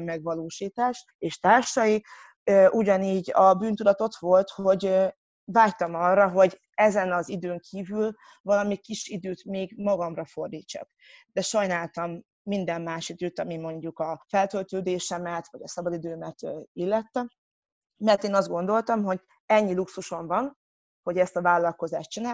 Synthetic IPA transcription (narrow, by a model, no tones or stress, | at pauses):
mɛɡvɒloːʃiːt̪aːʃ | eːʃt̪aːrʃɒji | øʔuɟɒniːɟɒbyːnt̪ud̪ɒt̪o̞t̪ʋo̞lt̪ho̞ɟ | vaːct̪ɒmɒrːɒɦo̞ɟ | ɛzɛnɒzid̪øːŋkʰiːvyl | vɒlɒmikiʃid̪øːt̪meːɡmɒɡɒmrɒfo̞rd̪iːt͡ʃːɒ̰k | d̪ɛʃɒjnaːlt̪ɒmː | ind̪ɛmːaːʃid̪øːt̪ɒmimo̞ɲɟukɒfɛlt̪ølt̪øːd̪eːʃɛmɛt̪vɒɟɒsɒbɒd̪id̪øːmɛt̪ːilːɛt̪ːɛ | mɛrt̪eːnɒzd̪ɡo̞nd̪o̞lt̪ɒmɦo̞ɟ | ɛɲːiluksuʃo̞ɱvɒn | ho̞ɟɛst̪ɒvaːlːɒlko̞zaːʃtt͡ʃinaː